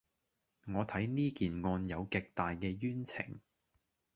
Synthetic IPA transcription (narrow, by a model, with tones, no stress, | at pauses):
ŋɔː˨˧t̪ʰɐ˨˥jniː˥kiː˨nŋɔː˧njɐ˨˧wkɪ˨k̚t̪aː˨jkɛː˧jyː˥nt͡sʰɪ̰˨˩ŋ